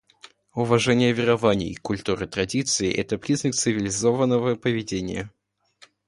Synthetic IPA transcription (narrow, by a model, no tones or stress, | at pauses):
ʊvɐʐɛnʲɪjəvʲɪɾɐvanʲɪ̰jkʊlʲt̪uɾɨt̪ɾɐdʲit̪sɨɪʔɛ̰t̪əpɾʲiznəkt̪sɨvʲɪlʲɪzovənːəvəpəvʲɪdʲenʲɪ̰jə